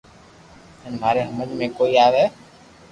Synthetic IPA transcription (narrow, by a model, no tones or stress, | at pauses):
ɪnm̤aːɾeːɦəmənmẽːkoːiːaːʋɛː